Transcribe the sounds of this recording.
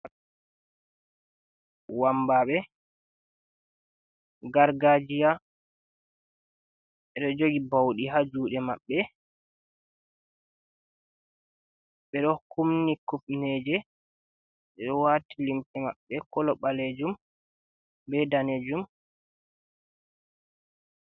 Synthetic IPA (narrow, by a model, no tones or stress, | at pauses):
wambaɓɛ | ɡaɾɡad͡ʒija | ɛɗɔd͡ʒoɡibawɗiɦad͡ʒuːɗɛma̰ɓːɛ | ɓɛɗɔkumnikupnɛd͡ʒɛ | ɓɛɗɔwatilimtɛma̰ɓːɛkɔlɔɓaled͡ʒum | bɛdaned͡ʒum